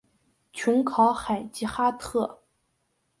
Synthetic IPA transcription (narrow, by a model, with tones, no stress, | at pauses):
t͡ɕʰʊ˧˥ŋkʰɑ˧˥ʊxa˨˩ɪt͡ɕi˧˥xa˥t̪ʰɤ˥˩